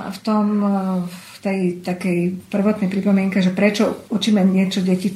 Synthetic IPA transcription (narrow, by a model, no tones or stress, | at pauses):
a̰ft̪ɔm | ft̪ɛjt̪akɛjpr̩ʋɔt̪nɛjpɾipɔmɪɛŋkɛʒɛpɾɛt͡ʃɔut͡ʃiːmɛɲɪɛt͡ʃɔɟɛci